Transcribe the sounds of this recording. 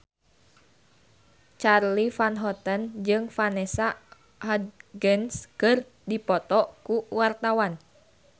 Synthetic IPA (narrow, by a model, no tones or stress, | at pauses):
t͡ʃarlifanɦɔt̪ənd͡ʒɨŋfanɛsa | had̪ɡɛnskɨr | dipɔt̪ɔkuwart̪awan